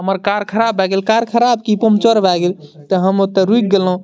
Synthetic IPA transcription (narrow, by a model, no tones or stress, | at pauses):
ɦəməɾkaɾkʰəɾabʱːaɡelkaɾkʰəɾab̚kipomt͡ʃəɾbʱaɡelt̪əɦəmot̪əɾuk̚ɡelɦũ